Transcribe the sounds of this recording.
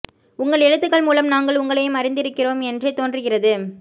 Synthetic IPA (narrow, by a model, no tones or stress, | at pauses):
ʊŋɡɐɭɛɻɯt̪ːɯɣɐɭmuːlɐmnaːŋɡɐɭʊŋɡɐɭɐjɯmɐɾɪnd̪ɪɾɯkːɪroːmɛndrɯt̪oːndrɯɣɪrɐðɯ